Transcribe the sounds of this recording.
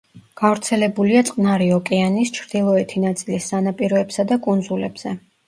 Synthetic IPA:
ɡ̥avɾt̪sʰɛlɛbuliat̪sʼqʼnaɾiɔkʼɛanist͡ʃʰɾd̪̥ilˠɔɛt̪ʰinat̪sʼilisːanapʼiɾɔɛbsad̪akʼund̪zulɛ̰b̥z̥ɛ

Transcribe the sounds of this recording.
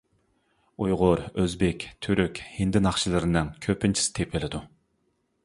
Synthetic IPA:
ujʁʊɾøzbɪkʲt̪ʰyɾykʲhind̪ɪnɑχʃilˠɨɾɨnɨŋkʲʰøpʰɪnt͡ʃʰi̥sɪ̥t̪ʰepʰɪlɪd̪u

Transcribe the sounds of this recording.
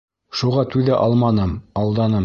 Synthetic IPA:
ʃuʁɑt̪ʉðæʔɑlˠmɑnɤmɑlˠd̪ɑnɤm

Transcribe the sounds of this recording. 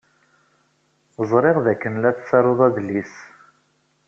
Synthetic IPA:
zˤɾˤɪʁðækːənlæθt͡sːɑɾˤoðˤæðlis

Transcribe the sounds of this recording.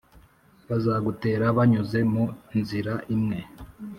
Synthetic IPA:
βazaːɡute̞ːɾaβaɲuze̞munziɾaʔimŋe̞

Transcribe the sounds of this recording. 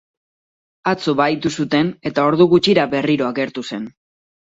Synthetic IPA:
at͡soβajt̪usut̪e̞ne̞t̪ao̞ɾðuɣut͡ʃiɾabe̞riɾo̞aɣe̞ɾt̪use̞n

